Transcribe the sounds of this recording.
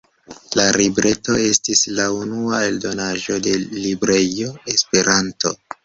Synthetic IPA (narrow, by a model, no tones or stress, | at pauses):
laɾibɾʔe̞to̞e̞stislaunuae̞ldo̞naʒo̞de̞libɾe̞oespe̞ɾʔanto̞